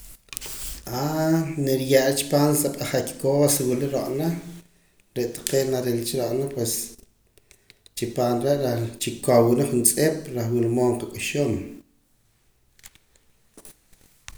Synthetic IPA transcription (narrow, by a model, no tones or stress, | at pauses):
aniɾjaʔlt͡ʃi̥paːnsaɓaχakkoːsiwiliɾoʔnaχ | ɾeʔt̪ḁqeːnaɾelt͡ʃiɾoʔnapwes | t͡ʃipaːnɾeʔɾat͡ʃikowunaχunt͡sʼeɓ̥ɾaχwilmoːɴqakʼuʃom